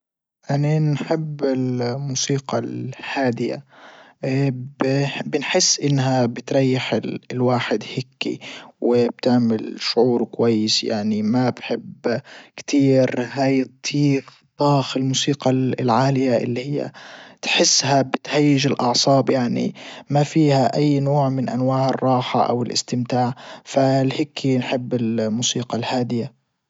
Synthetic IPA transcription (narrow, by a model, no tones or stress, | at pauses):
ʔaninħɪbːɪlmuːsiːqɑlhaːd̪ɪja̰ | bbɪnħɪsːʔɪnːɦabɪt̪ɾˤɑjːɪħɪlwaːħɪd̪hɪkːḭwɪb̥̚t̪ɪʕmɪlʃʊʕuːɾkwajːɪsja̰ʕnimabħɪbkt̪ʰiːɾɦaːjt̪ˤʰːiːɾt̪ˤːɑːxɪlmuːsiːqɑlʕaːlɪjaʔɪ̰lːihɪjːa̰t̪ħɪsːhabɪt̪hajːɪd͡ʒɪlʔɑʕsˤɑːbjaʕnḭmafiːhaʔajːnoːʕmɪnʔanwaːʕɪrˤːɑːħa̰ʔa̰wɪlʔɪ̰st̪ɪmt̪aːʕfalhɪkʰːinħɪbːɪlmuːsiːqɑlhaːd̪ɪja